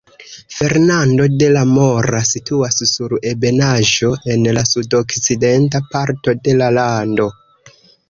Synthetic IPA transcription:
fe̞ɾnando̞de̞lamo̞ɾasituassuɾe̞be̞naʒo̞ʔe̞nlasudo̞kt͡side̞ntapaɾto̞de̞lalando̞

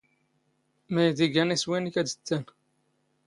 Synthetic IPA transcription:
mæjd̪iɡæniswinikæd̪ə̥t͡s̪ːæn

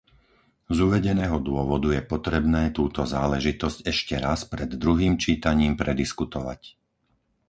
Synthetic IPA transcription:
zuʋɛɟɛnɛːɦɔd̪ʊɔʋɔd̪ujɛpɔt̪ɾɛbnɛːt̪uːt̪ɔzaːlɛʒit̪ɔzcɛʃcɛɾaspɾɛd̪ːɾuɦiːmt͡ʃiːt̪aɲiːmpɾɛd̪iskut̪ɔʋa̰c

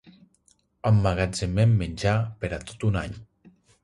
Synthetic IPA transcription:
əmːaɣazememːenʲd͡ʒapeɾat̪ot̪unaɲ

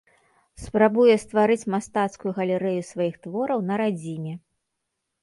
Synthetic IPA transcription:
spɾabujɛst̪vaɾɨt͡sʲmast̪at̪skʊjuɣɐlʲɛɾɛjusvajixt̪vɔɾɐwnɐɾad͡zʲimʲɛ

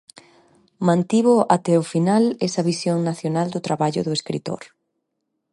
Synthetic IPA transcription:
mãnt̪iβʊʔat̪ɛʊfinalɛsɐβisjoŋnaθjonald̪ʊt̪ɾaβaʎʊðʊeskɾḭt̪o̰ɾ

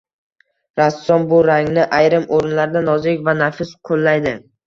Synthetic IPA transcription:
ɾasːɒnbʊɾaŋnɪʔajɾɪmoɾɪnlaɾd̪anɒzɪkʲvanafɪsqʰolːajd̪ɪ

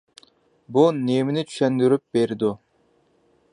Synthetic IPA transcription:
bunemɪnɪt͡ʃʰy̥ʃɛnd̪yɾyp̚beɾɪd̪u

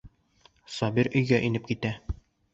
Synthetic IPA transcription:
sɒbiɾɵ̆jɡæʔinɘp̚kit̪æ

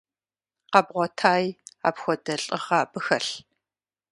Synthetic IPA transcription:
qɐbʁʷɔtʰaːja̰pxʷɔdɐɬʼɨʁaːbɨxɐɬ

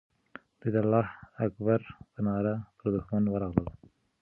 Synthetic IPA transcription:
d̪id̪alːɑːhakbaɾpənɑɾapəɾd̪ʊxmanwəɾɑɣləl

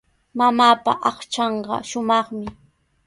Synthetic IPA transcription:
mamaːpa̰ʔɑχt͡ʃɑɴɢɑ̰ʃʊmɑχmɪ

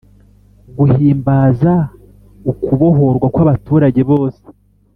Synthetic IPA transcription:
ɡuhiːmbaːza | ukuβo̞ɦo̞ɾɡwakwaβatuːɾaɟe̞βo̞ːse̥

